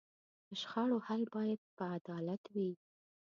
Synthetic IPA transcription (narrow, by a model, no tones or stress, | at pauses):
d̪̥əʃxɑɽohalbɑjad̪̚pəad̪ɑlat̪wi